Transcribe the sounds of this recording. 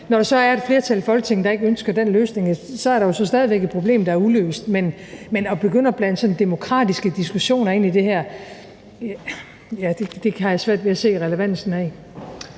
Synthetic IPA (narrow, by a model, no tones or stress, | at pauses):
nɒɾ̥ɑ̈sɒ̽æɐe̝d̥fle̝ːɐt͡sʰælfɒ̽lɡ̥ə̥t͡sʰe̝ŋd̥ɑ̈e̝ɡ̥əønsɡ̥ɐd̥enløːsne̝ŋsɒ̽æɐɾɑ̈jo̝sɒ̽sd̥ɛːð̞ˠiʋeɡ̥ed̥̚pʰʁo̝b̥le̝̰ːmd̥ɑ̈æɐulø̰ːsd̥men | menɒ̽b̥e̝ɡ̥øn̰ɐb̥læn̰d̥sɒ̽n̩d̥e̝mo̝kʰʁɑ̰̈ːd̥isɡ̥əd̥isɡ̥uɕo̝̰ːnɐe̝̰ːnid̥e̝ɦæɐ̰ | jæd̥ed̥e̝hɑ̈jæsʋæɐ̰d̥ʋeæse̝̰ːʁɛləʋæn̰sn̩æ